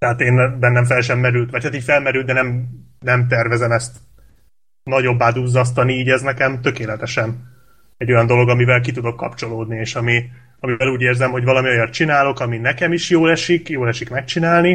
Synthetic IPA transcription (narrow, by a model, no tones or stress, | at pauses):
t̪ɛɦat̪eːnbɛnːɛɱfɛlʃɛmːɛɾylt̪ʋɒcʰhat̪iːɟfɛlmɛɾylt̪ɛnɛmnɛmt̪̬ɛrvɛzɛmɛst̪ | nɒɟo̞bːaːd̪uːzːɒs̬t̪ɒniiːɟɛznɛkɛmt̪ø̞keːlɛt̪ɛʃɛn | ɛɟːo̞jɒnd̪o̞lo̞ɡɒmivɛlk̬it̪ud̪o̞kːɒ̰pt͡ʃo̞loːd̪nieːʃɒmi | ɒmivɛluːɟeːrzɛmɦo̞ɟvɒlɒmio̞jɒt̪̚t͡ʃinaːlo̞kɒminɛkɛmiʃjoːlɛʃikjoːlɛʃikmɛk̚t͡ʃinaːlni